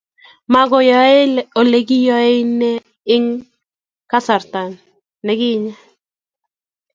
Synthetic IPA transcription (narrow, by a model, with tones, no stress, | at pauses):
ma˦ɡɔ˨jɔ˨e˦lo˨le˨ɡɪ˦jɔ˦e˦nɛ˦ | ɪ˦ŋ | ka˦sa˨rt̪a˨nː | ɛ˦ɡɪ˦ɲa˦